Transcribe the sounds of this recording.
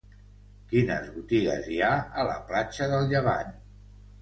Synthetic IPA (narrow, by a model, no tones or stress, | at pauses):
kinə̰zβut̪iɣə̰ziaələ̰plat͡ʃəðəlˠʎəβa̰n